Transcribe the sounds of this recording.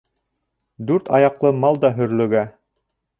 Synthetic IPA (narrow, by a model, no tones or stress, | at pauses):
d̪ʉɾt̪ɑjɑqlˠɤmɑlˠd̪ɑɦɵ̆ɾlɵ̆ɡæ